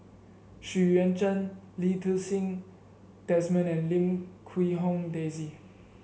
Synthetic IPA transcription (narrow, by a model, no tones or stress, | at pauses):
ʃiɹɛ̃nt͡ʃə̃n | litəsĩŋ | dɛsmə̃nɛ̃nlĩmkʰwiɦõmdezi